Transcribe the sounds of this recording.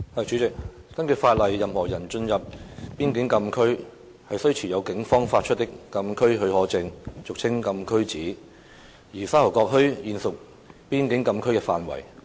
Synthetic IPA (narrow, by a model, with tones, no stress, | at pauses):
hɐ˨˩jt͡ʃy˨˧˥t͡sɪ˨k̚ | kɐ˥nkʰɵ˧˩faː˧t̚lɐ˨jːɐ˨mhɔː˨˩jɐ˨˩nt͡ʃɵ˧njɐ˨p̚ːiː˥nkɪ˨˥ŋkɐ˧mkʰɵ˥ɥ | hɐ˨jsɵ˥ɥt͡sʰiː˨˩jɐ˨˧wkɪ˨˥ŋfɔː˥ŋfaː˧t̚t͡ʃʰɵ˥t̪̚ɪ˥kːɐ˧mkʰɵ˥ɥɦɵ˧ɥhɔː˨˥t͡sɪ˧ŋt͡sʊ˨k̚t͡sʰɪ˥ŋkɐ˧mkʰɵ˥ɥt͡siː˨˥ | jiː˨˩saː˥hɐ˨˩kɔː˧k̚ɦɵ˥ɥjiː˨nsʊ˨k̚ | piː˥nkɪ˨˥ŋkɐ˧mkʰɵ˥ɥkɛː˧fa̰ː˨nwɐ̰˨˩j